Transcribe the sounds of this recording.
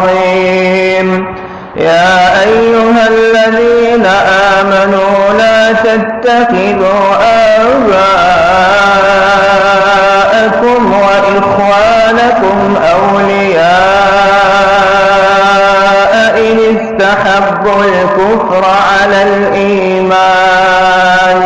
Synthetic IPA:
iːm | jaːʔajːʊɦalːaðiːnaʔaːmanuːlaːt̪at̪ːaqɪðuːʔa | wa | ʔakʊmwaʔɪxwaːnakʊmʔawlɪjaː | ʔaʔɪnɪst̪aħabːʊlkʊfɾ | ʕalal | ʔiː | maː | n

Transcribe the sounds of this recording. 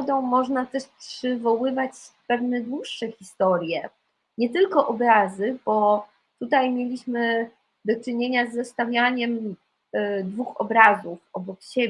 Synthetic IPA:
d̪ɔ̃w̃mɔʐnat̪ɛʂpʂɘvɔwɘvat͡ɕpɛvnɛd̪wuʂːɛxʲist̪ɔɾʲjɛ | ɲɛt̪ɘlkɔʔɔbɾazɘbɔ | t̪ut̪ajmʲjelʲiɕmɘ | d̪ɔt͡ʂɘɲeɲazːɛst̪avʲjaɲɛm | d̪vuxɔbɾazufɔbɔkɕe

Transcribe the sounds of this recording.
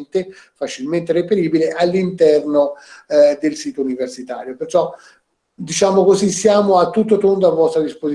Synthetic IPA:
nt̪e | fat͡ʃilment̪erepeɾiːbileʔalːint̪ɛrno | d̪elsiːt̪ouniversit̪a̰ːɾjopert͡ʃɔ | d̪it͡ʃaːmokozisjaːmoat̪ːut̪̬ːot̪ond̪oavːɔst̪ɾad̪ispozi

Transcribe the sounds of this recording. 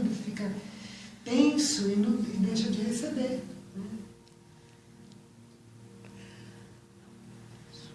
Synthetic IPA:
d̪ʊfikɐtẽŋsuinũd̪ejʃɐd͡ʒɪhesebeɾnɛ

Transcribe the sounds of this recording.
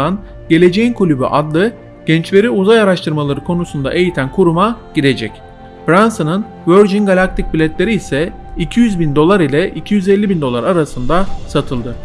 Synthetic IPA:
an | ɟ̥e̞lʲe̞d͡ʒe̞jinkʰulʲyby̰ʔad̪lˠɯ | ɟ̥ɛnt͡ʃve̞ɾiuzajaɾaʃt̪ʰɯɾmalˠaɾɯkʰo̞nusund̪aʔe̞jit̪ʰænkʰuɾumaɟ̥id̪e̞d͡ʒɛc | bɾansɯnɯn | vøɾd͡ʒinɡalʲak̚t̪ʰic̚bilʲɛt̪lʲe̞ɾiːsɛ | icʰijyzbind̪o̞lˠaɾilʲɛʔicʰijyzɛlʲːibind̪o̞lˠaɾaɾasɯnd̪asat̪ʰɯlˠd̪ɯ

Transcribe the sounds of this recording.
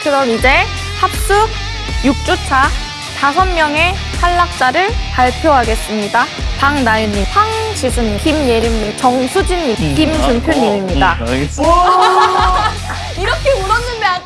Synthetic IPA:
kɯɾʌmid͡ʑe̞ | hap̚s͈uk̚ | juk̚t͡ɕ͈ot͡ɕʰa | tasʰʌnmjʌŋe̞ | haɭːak̚t͡ɕ͈aɾɯɭpaɭpʰjoɦaɡe̞s͈ɯmɲidapaŋnajuɲːimsʰaŋt͡ɕisʰunkimjeɾimɲit͡ɕʌŋsʰud͡ʑinːimkimt͡ɕunpʰjoɲːimimɲida | iɾʌkʰeuɾʌnːɯnb

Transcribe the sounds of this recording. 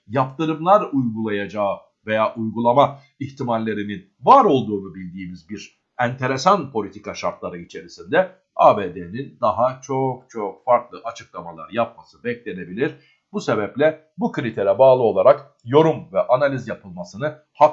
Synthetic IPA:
japt̪ɯɾɯmlˠaɾujɡulˠajad͡ʒaː | ve̞jaːʔujɡulˠama | içt̪ʰimalʲːe̞ɾinin | vaːɾo̞lˠd̪uːnubilʲd̪iːmizbiɾ | ænt̪ʰe̞ɾe̞sanpʰo̞lʲit̪ʰikaʃaɾt̪lˠaɾɯit͡ʃʰe̞ɾisind̪ɛ | abeːd̪enind̪aɦat͡ʃʰo̞k̚t͡ʃʰo̞k̚faɾklˠɯʔat͡ʃʰɯ̥klˠamalˠa̰ɾjap̚masɯbɛclʲe̞ne̞bilʲiɾ̥ | buse̞bɛplʲɛ | bukʰɯɾit̪ʰe̞ɾɛbaːlˠɯo̞lˠaɾak | jo̞ɾumvɛʔanalʲizjapʰɯlˠmasɯnɯ | ha

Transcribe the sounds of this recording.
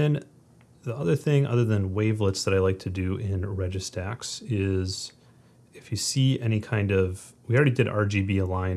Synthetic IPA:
ɨ̃n | ðiʌðə˞θɪ̃ŋʔʌ̰ðə˞ðɨ̃nweɪvlətsðəɾaɪlaɪk̚tʰɨdɨʔɪ̃nɹɛd͡ʒɨstʰæksɪz̥ | ɨfjɨsiɛñikʰãɪ̃ndʌv̥wil̩ˠɹɛɾidɨɾɑ̰ɹd͡ʒibiəlãɪ̃

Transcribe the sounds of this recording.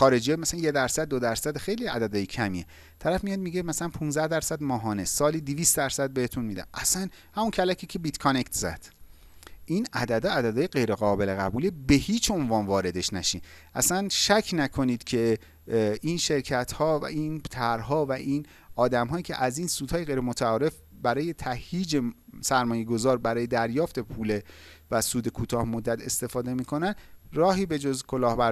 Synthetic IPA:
xɒːɾe̞d͡ʒijemæsælænje̞d̪æɾsæd̪̚ːod̪æɾsæd̪xejliæ̰d̪æd̪ɒːjecʰæmie | t̪ʰæɾæfmijɒd̪̚miɟemæsælænpʰũnzdæhd̪æɾsæd̪mɒːɦɒːnesɒːliːd̪iviːst̪̚d̪æɾsæd̪̚behet̪ʰunmiːd̪æ̰nʔæ̰sæn | hæmuncʰælæcʰiːcʰebit̪kʰone̞kt̪ʰzæ̰d̪̥ | ʔiːnæd̪æd̪ɒːæd̪æd̪ɒːjeɡe̞jɾeɣɒːbe̞leɣæ̰buːlibe̞hiːt͡ʃʰo̞nvɒːnvɒːɾe̞d̪e̞ʃnæʃḭnʔæ̰sænʃæcʰnækʰo̞niːd̪̥cʰe̞ | inʃe̞ɾcʰæt̪ʰhɒːvæ̰ʔiːnt̪ʰæɾɦɒːvæʔin | ɒːd̪æmɦɒːjiːcʰḛʔæziːnsuːd̪hɒːjeɣe̞jɾemot̪ʰæɒːɾe̞f | bæɾɒːje̞t̪ʰæhjiːd͡ʒesæɾmɒːje̞ɡo̞zɒːɾbæɾɒːje̞d̪æɾjɒːft̪e̞pʰuːlevæsuːd̪e̞kʰuːt̪ʰɒːhmod̪ːæt̪ʰe̞st̪e̞fɒːd̪e̞miːkʰo̞nænrɒːɦiːbe̞d͡ʒozkʰo̞lɒːhbæɾ

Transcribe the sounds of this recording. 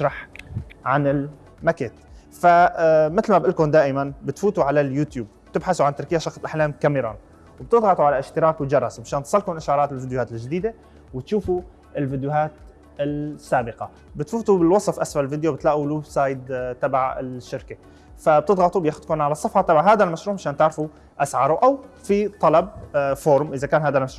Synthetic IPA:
ɪʃɾˤɑħʕanɪl | makeːt̪famɪt̪lmabʔɪlkʊnd̪aːʔɪmanbɪt̪fuːt̪uʕalaljuːt̪juːb̚b̥t̪ɪbħasuʕant̪ɑɾˤkɪjːaʃɑxslʔaħlaːmkamiɾˤɑ̰ːn | wb̚t̪ɪd̪ˤɣɑt̪ˤuʕalaʔɪʃt̪ɪɾˤɑːkwd͡ʒɑɾˤɑsmɪʃaːnt̪sˤɑlːkʊnʔaʃʕɑɾˤɑːt̪ɪlvɪd̪jʊhaːt̪ɪlʒd̪iːd̪e | wɪt̪ʃuːfu | ɪlvɪd̪jʊɦaːt̪ | ɪlsːaːbɪqɑ | bɪt̪fuːt̪ubɪlwɑsˤfʔasfalvɪd̪jowbɪt̪laːʔulubsˤɑːjɪd̪t̪abaʕɪ̰ʃːɪɾke | fab̚t̪ɪd̪ˤɣɑt̪ˤubjaːxʊd̪kʊmʕalɑsˤːɑfħɑt̪ˤɑbaʕɦaːd̪almaʃɾuːʕmaʃaːnt̪ɪʕɾfu | ʔasʕɑɾˤuʔaw | fit̪ˤːɑlɑb̚foːɾˤmʔɪzakaːnɦaːd̪almaʃɾˤuː

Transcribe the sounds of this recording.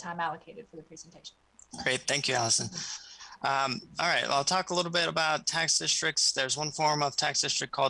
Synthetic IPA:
tʰãɪ̃mælˠəkʰeɪɾɨd̥fə˞ðɨpʰɹ̥izn̩tʰeɪʃn̩nɡ̥ɹeɪt̪̚θæ̃ŋkʰjʉælˠəsɨ̃nʔʌ̃mɑlˠɹaɪt̚w̰ɪlˠtʰɔkəlɪɾl̩ˠbɪɾəbaʊtʰæksd̥ɪstɹ̥ɨk̚tsðə˞zwʌ̃nfɔɹ̃mʌv̥tʰæksd̥ɪstɹ̥ɨk̚kʰɔlˠ

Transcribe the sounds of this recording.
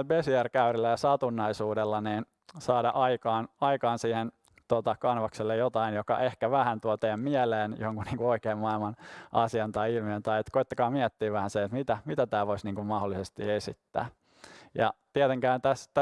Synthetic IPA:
besiærkæyrilːæjɑsɑt̪unːɑisuːdelːɑniːn | sɑːdɑ̰ʔɑikɑːnɑikɑːnsiːhen | t̪ot̪ɑkɑnʋɑkselːejot̪ɑinjokɑ̰ʔehkæʋæhænt̪uot̪eːmmiɛleːnjoŋkunniːŋkuoikeːmmɑilmɑnɑsiɑnt̪ɑiilmient̪ɑiet̪koit̪ːɑkɑːmiɛt̪ːiːʋæhænseet̪mit̪æmit̪æt̪æːʋoisniːŋkummɑholːisest̪ḭesḭt̪ːæ̰ː | jɑ̰t̪iet̪eŋkæːnt̪æst̪æ

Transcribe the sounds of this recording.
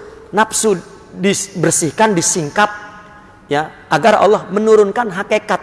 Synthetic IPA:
napsu | dibərsihkandisiŋkap̚ | ja | aɡara̰lːɔhmənuɾʊnkanɦakekat̪

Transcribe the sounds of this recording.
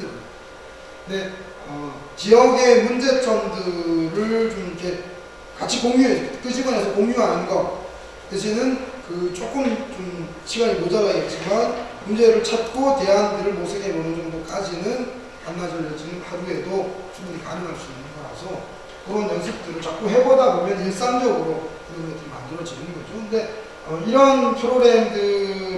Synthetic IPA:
nɯnɡʌ | kɯnde̞ | ʌ | t͡ɕijʌɡe̞mund͡ʑe̞t͡ɕ͈ʌŋdɯɾɯt͡ɕomikʰe̞ | kat͡ɕʰikoŋɲuɦesk͈ʰɯɕʰiɡwanɦe̞sʰʌkoŋɲuɦanɯnɡʌ | keɕʰinɯnkɯt͡ɕ͈ok͈ɯmt͡ɕom | t͡ɕʰiɡaɾimod͡ʑʌɾaɦet̚t͡ɕ͈imanmund͡ʑe̞ɾɯɭt͡ɕʰat̚k͈ote̞ɦandɯɾɯɭmosʰɯɡemonɯnd͡ʑʌŋdok͈ad͡ʑinɯn | anːad͡ʑʌɾʌd͡ʑinɯnhaɾue̞dot͡ɕumbunikanɯŋɦaɭs͈uinːɯnɡʌɾa̰sʰʌ | kɯɾʌnjʌnsʰɯk̚t͈ɯɾɯɭt͡ɕak̚k͈uɦe̞bodabomjʌnhes͈aŋd͡ʑʌɡɯɾokɯɡʌntomːa̰ndɯɾʌd͡ʑinɯnɯnɡʌd͡ʑokɯnde̞ | ʌiɾʌnpʰɯɾoɡɾe̞mdɯ

